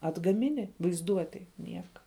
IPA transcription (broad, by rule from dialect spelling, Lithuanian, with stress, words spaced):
ɐdɡɐˈmʲɪnʲɪ ʋɐɪzˈduɔtʲeːj ˈnʲiɛkɐ